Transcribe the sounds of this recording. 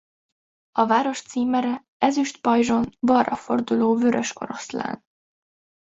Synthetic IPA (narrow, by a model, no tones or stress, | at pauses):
ɒvaːɾo̞ʃt̪siːmɛɾɛ | ɛzyʃt̪pɒjʒo̞nbɒrːɒfo̞rd̪uloːvø̞ɾʔø̞ʃko̞̰ɾo̞̰sla̰ːn